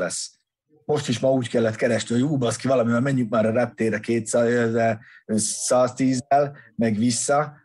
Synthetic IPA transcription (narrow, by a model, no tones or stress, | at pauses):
lɛsː | mo̞ʃt̪iʃmɒuːckɛlːɛt̪kɛɾɛʃniɦojuːbɒskivɒlɒmivɛmɛɲːyk̚maːɾɒɾɛp̚t̪eːɾɛkeːt̪szɛ | saːst̪iːzːɛlmɛɡʋisːɒ